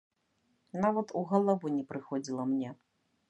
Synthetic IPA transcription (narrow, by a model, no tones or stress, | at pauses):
navɐt̪uɣɐlˠavunʲɛpɾɨxɔd͡zʲilˠɐmnʲɛ